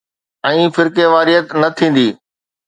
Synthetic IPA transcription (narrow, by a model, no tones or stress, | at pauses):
ɛ̃ːfɪɾkeʋaːɾijət̪nɐt̪ʰĩːn̆d̪iː